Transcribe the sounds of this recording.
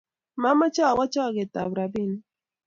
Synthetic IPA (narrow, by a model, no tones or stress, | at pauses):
mamat͡ʃawat͡ʃaɢet̪abɾabɪn